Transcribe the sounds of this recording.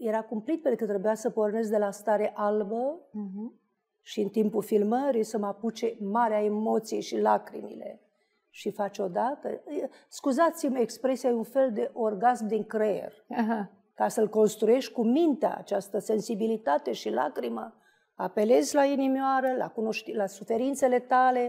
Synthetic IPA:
je̞ɾakumplit̪̚penukɨt̪ɾebujasəpo̞rne̞zd̪e̞last̪aɾeʔalbə | ʃiɨnt̪impulfilməɾisəmaput͡ʃemaɾeaemo̞t̪sijejʃilakɾḭmḭle̞̰ | ʃifat͡ʃo̞d̪at̪ə̰ | skuzat̪simekspɾe̞sijajeunfe̞ld̪e̞ʔo̞rɡazmd̪iŋkɾḛrʲaɦa | kasəlko̞nst̪ɾuje̞ʃt̪ʲkumint̪ea̰a̰t͡ʃast̪əse̞nsibilit̪at̪e̞ʃila̰kɾimə | ape̞le̞zʲlainimjoaɾəla̰kuno̞ʃt̪ilasufe̞ɾint̪se̞le̞t̪ale̞

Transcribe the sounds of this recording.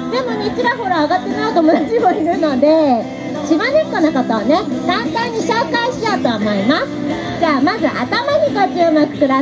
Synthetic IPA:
d̪e̞mo̞ɲʲit͡ɕiɾaɦo̞ɾaːɡat̪ːe̞naɯt̪omonat͡ɕimoiɾɯ̟no̞d̪e̞ | ɕibanʲekːanakat̪aβane̞k̪ãnt̪ãɲ̟ːiɕo̞ːkaĩɕi̥t̪at̪o̞amo̞imasɨ̥ | d͡ʑaːmazɨʔat̪amaɲ̟ikat͡ɕiomakɯ̟̥kɯ̟ɾa

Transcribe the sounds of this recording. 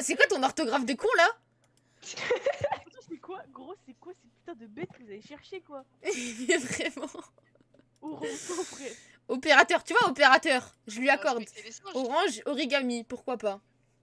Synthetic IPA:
sɛkwat̪ɔ̃nɔʁt̪ɔɡʁafd̪əkɔ̃la | ɛkwaɡʁosɛkwasɛpyt̪ɑ̃d̪əbɛt̪kəvuzaveʃɛʁʃekwa | ɛvʁɛmɑ̃ | õpɛ | ɔpeʁat̪œʁt̪yvwaɔpeʁat̪œːʁʒəlɥiakɔʁd̪ɔʁɑ̃ʒɔʁiɡamipuʁkwapa

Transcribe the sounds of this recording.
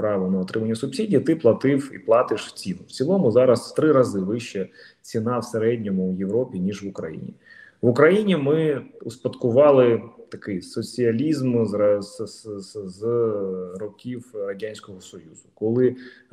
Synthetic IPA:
pɾɑʋɔnɐɔt̪ɾɪmɐnʲːɐsʊbsʲidʲijɐt̪ɪplˠɐt̪ɪwḭplˠɑt̪ɪʃt͡sʲinʊwt͡sʲilˠɔmʊzɑɾɐst̪ɾɪɾɐzɪʋɪʃɛ | t͡sʲinɑwseɾɛdʲnʲɔmʊjeʋɾɔpʲinʲiʒʋʊkɾɐ̰jḭnʲḭʋʊkɾɐjinʲimɪʊspɐt̪kʊʋɑlˠɪt̪ɐkɪjsɔt͡sʲiɐlʲizmz | z | rɔkʲiwrɐdʲanʲsʲkɔɦɔsɔjuzʊkɔlˠɪ

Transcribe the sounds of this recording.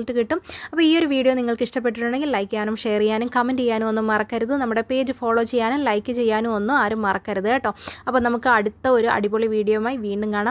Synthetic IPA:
ɭkːɨkiʈːumɐpːoːiːo̞ɾuʋiːɽijoːniŋːɐɭkɨiʂʈɐp̬ːeʈːiʈːuɳɖe̞ŋɡillɐjkːaːnumʂejɐrijːaːnumkɐmːendt͡ɕejːaːnuo̞nːumːɐrɐkːɐɾuðɨnɐmːuɽe̞pe̞ːd͡ʑɨfo̞ːɭoːt͡ɕe̞jːaːnumlɐjkːɨt͡ɕe̞jːaːnuo̞nːuaːɾumːɐrɐkːɐɾuðɨeːʈːo̞ːɐpːoːnɐmukːɨɐɽut̪ːɐo̞ɾuʔɐ̰ɽiboɭiʋiːɽijɐmaːjiʋiːɳɖumkaːɳɐm

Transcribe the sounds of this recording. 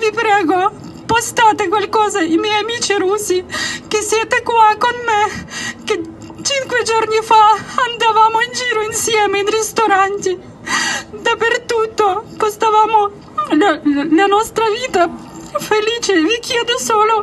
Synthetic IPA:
vipɾɛːɡo | post̪aːt̪ekwalkɔːzaimɛjamiːt͡ʃiɾuːsikesːjɛːt̪ekwakonmeke | t͡ʃiŋkwed͡ʒornifaand̪avaːmoind͡ʒiːɾoinsjɛːmeinrest̪oɾant̪i | d̪apert̪ut̪ːopost̪avaːmo | llanɔst̪ɾaviːt̪afeliːt͡ʃevikjɛːd̪osoːlo

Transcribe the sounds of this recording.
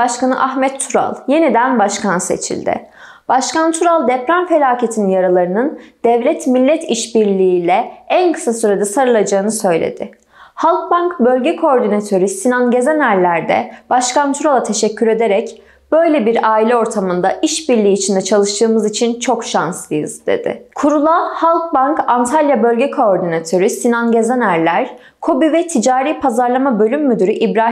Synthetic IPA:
b̥aʃkanɯʔaxmɛt̪ʰːuɾa̰lˠje̞nid̪ænbaʃkʰanse̞̰t͡ʃʰḭlʲd̪ɪ̰ | b̥aʃkant̪ʰuɾalˠd̪ɛpɾanfe̞lʲaːcʰe̞t̪ʰininjaɾalˠaɾɯnɯnd̪̥ɛvlʲɛt̪milʲːɛt̪ʰiʃbiɾlʲiːlʲɛænkʰɯ̥sasyɾed̪ɛsaɾɯlˠad͡ʒaːɯnɯsø̞jlʲḛd̪̥ɪ | halˠk̚baŋkbø̞lʲɟɛkʰoɾd̪inat̪ʰøɾysinanˠɟe̞zænælʲːæɾd̪ɛ̰b̥aʃkʰant̪ʰuɾalˠat̪ʰe̞ʃɛcʰːyɾe̞d̪e̞ɾɛc | b̥ø̞jlʲebiɾaːilʲɛo̞ɾt̪ʰamɯnd̪aiʃbiɾlʲiːt͡ʃʰind̪ɛt͡ʃʰalˠɯʃt̪ʰɯːmɯzit͡ʃʰint͡ʃʰo̞kʃanslˠɯjɯzd̪e̞̰d̪̥ɪ̰kʰuɾulˠahalˠk̚bankant̪ʰalʲjabø̞lʲɟɛkʰo̞ːɾd̪inat̪ʰø̞ɾysinanɟe̞zænæɾlʲæɾ̥ | kʰo̞bivɛt̪ʰid͡ʒaːɾiːpʰazaɾlˠamabø̞lʲymːyd̪yɾyʔibɾa

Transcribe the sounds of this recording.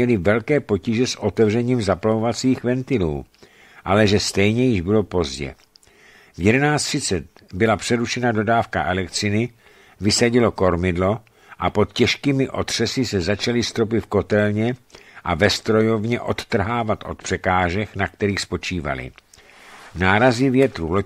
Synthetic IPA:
ɛlɪvɛlkɛːpo̞ciʒɛsʔo̞t̪ɛvrɛɲiːmzaploovat͡siːxvɛnt̪ɪlṵː | ʔalɛʒɛst̪ɛjɲɛjɪʒbɪlo̞po̞zɟɛ̰ | vjɛdɛnaːt͡st̪r̥ɪt͡sɛt̪ | bɪlapr̥ɛɾuʃɛnado̞daːfka̰ʔɛlɛkt̪sɪnɪ | vɪsaɟɪlo̞ko̞ɾmɪdlo̞ | ʔapo̞t̪cɛʃkiːmɪʔo̞̰t̪r̝̥ɛsɪsɛzat͡ʃalɪst̪ɾo̞p̬ɪt̪fko̞t̪ɛlɲɛʔavɛst̪ɾo̞jo̞vɲɛʔo̞t̪t̪r̩ɦaːvat̪ʔo̞̰t̪̚pr̥ɛkaːʒɛknakt̪ɛɾiːxspo̞t͡ʃiːva̰lɪ̰ | naːɾazɪvjɛt̪ɾulo

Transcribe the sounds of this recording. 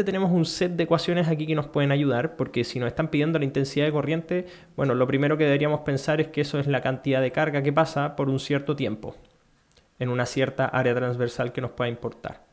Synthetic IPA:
et̪ene̞mosunset̪̚d̪eːkwasjo̞nesakikeno̞spweðenaʝuð̞aɾpo̞ɾkesinoseht̪ampiðje̞nd̪olaint̪e̞nsiðaðeko̞rje̞nt̪e | bwe̞no̞lo̞pɾime̞ɾo̞ke̞ðeeɾiamo̞spe̞nsaɾeskeeso̞ezlakant̪iðaðe̞kaɾɣak̬epasapo̞ɾunsjeɾt̪ot̪je̞mpo̞̰ | enunasje̞ɾt̪aʔaɾeat̪ɾanzβe̞ɾsalkeno̞spwe̞ðaimpo̞ɾt̪a̰ɾ

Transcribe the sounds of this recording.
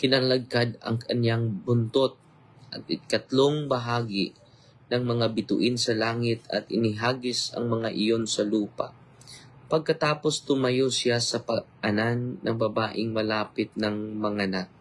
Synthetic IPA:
kɪnalɐɡ̚kad̪ɐ̰ŋkɐnjaŋbʊnt̪ot̪̚ | ʔɐt̪̚ɪkɐt̪loŋbɐɦaːɡɪ | nɐŋmɐŋabɪt̪ʊ̰ʔɪnsɐlaːŋɪt̪ɐ̰t̪ɪnɪɦaːɡɪsɐ̰ŋmɐŋaʔɪjo̞nsɐluːpa̰ʔ | pɐɡ̚kɐt̪aːpo̞st̪ʊmɐjosɪasɐpɐʔɐnanːɐ̰ŋbɐbaːʔɪŋmɐlaːpɪt̪̚nɐŋmɐŋanak̚

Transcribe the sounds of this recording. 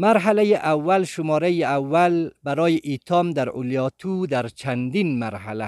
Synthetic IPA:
maɾɦalajiʔawːalʃʊmɒːɾajiawːalbaɾɒːjiʔit̪ʰɒmd̪aɾʔʊ̰ljɒt̪ʰud̪aɾt͡ʃʰand̪inmaɾhala

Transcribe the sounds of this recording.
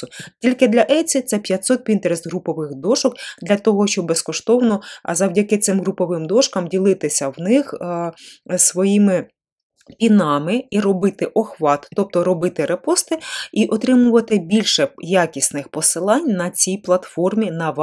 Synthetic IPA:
ʊtʲilʲkɪd̪lʲɐʔɛjt͡sʲit̪sɛpʲjɐt̪sɔt̪̚pʲint̪eɾest̪ɦɾupɔʋɪxd̪ɔʃɔkd̪lʲɐt̪ɔɦɔʃt͡ʃɔbbeskɔʃt̪ɔwnɔzɐwdʲɐkɪt̪sɪmɦɾupɔʋɪmd̪ɔʃkɐmdʲilˠɪt̪ɪsʲɐwnɪx | sʋɔjimɪ | pʲinɑmɪiɾɔbɪt̪ɪʔɔxʋɑt̪ːɔp̚t̪ɔɾɔbɪt̪ɪɾepɔst̪ɪiʔɔt̪ɾɪmʊʋɐt̪ɪbʲilʲʃɛjakʲisʲnɪxpɔsɪlˠɑnʲnɐt͡sʲijplˠɐt̪fɔrmʲinɐʋ

